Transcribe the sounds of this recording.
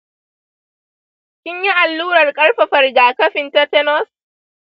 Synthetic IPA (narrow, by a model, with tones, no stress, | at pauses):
kʲɪ˦ɲji˦ʔa˨lːuː˦ɽɐ˨rkʼɐ˦ɽɸɐ˨ɸɐ˨rɡaː˨kɐ˦ɸɪ˨nta˦tɛ˦nɔ˦s